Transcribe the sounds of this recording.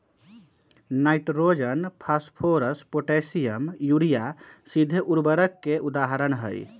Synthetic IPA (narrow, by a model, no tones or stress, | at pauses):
najʈɾod͡ʒənpʰaspʰoɾəspoʈesijəmjuɽijasid̪ʱʔuɾbəɾəkːeʔud̪aɦəɾəɳɦə̰j